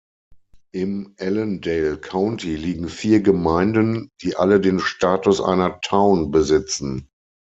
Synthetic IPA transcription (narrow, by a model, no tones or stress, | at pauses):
ʔɪmʔɛləndeɪlkʰaʊntiliːɡŋ̩fiːɐɡəmaɪ̃ndənd̥iːʔa̰lədeːnʃtaːtʊsʔa̰ɪnɐtʰaʊnbəzɪt͡sn̩